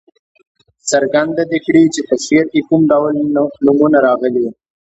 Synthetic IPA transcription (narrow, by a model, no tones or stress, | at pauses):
səɾɡand̪ad̪ekɽit͡ʃet̪aswijaɾ̚kekumɖawalnʊmunaɾɑɣəli